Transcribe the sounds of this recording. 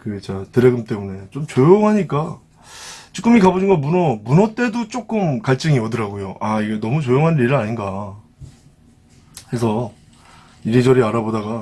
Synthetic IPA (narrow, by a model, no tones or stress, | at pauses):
kɯt͡ɕatɯɾeɡɯmt͈e̞mune̞t͡ɕomt͡ɕojoŋɦaɲik͈a | t͡ɕ͈ʰɯk͈ɯmikabod͡ʑʰinɡʌmunʌmunʌt͈e̞dot͡ɕ͈ok͈ɯmkaɭt͡ɕ͈ɯŋiʌdɯɾaɡujoʔaiɡe̞nʌmut͡ɕojoŋɦaniɾɯɭaɲinɡa | kɾesʰʌ | iɾid͡ʑʌɾiaɾabodaɡa